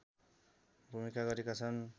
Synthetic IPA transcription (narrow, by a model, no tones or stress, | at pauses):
bʱumikaɡʌɾekat͡sʰʌn